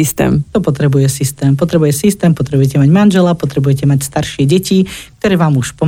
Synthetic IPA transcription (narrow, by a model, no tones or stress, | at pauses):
ist̪ɛ̰ːmt̪ɔpɔt̪ɾɛbujɛsist̪ɛːmpɔt̪ɾɛbujɛsist̪ɛːmpɔt̪ɾɛbujɛcɛmaɟmanʒɛlapɔt̪ɾɛbujɛcɛmacst̪aɾʃɪɛɟɛcikt̪ɔɾɛːʋaːmuʃpɔ